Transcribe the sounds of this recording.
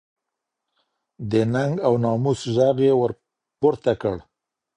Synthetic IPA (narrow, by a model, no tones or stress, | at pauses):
d̪ənaŋɡawnɑmusʒaɣjewəɾ | poɾt̪akəɽ